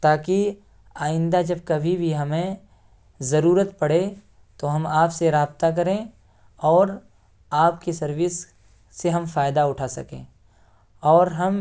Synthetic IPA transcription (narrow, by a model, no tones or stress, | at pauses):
t̪aːki | aːjɪ̃nd̪ad͡ʒɐb̚kɐbʱibʱiɦɐmẽ | zɐɾuːɾət̪pɐɽ̤e | t̪oɦɐmaːpseɾaːbt̪ak̬ɐɾẽ | ɔːɾ | aːpkesɐɾʋɪsː | eɦɐmfaːjd̪aʊʈʰasɐ̰kḛ̃ː | ɔːɾɦɐm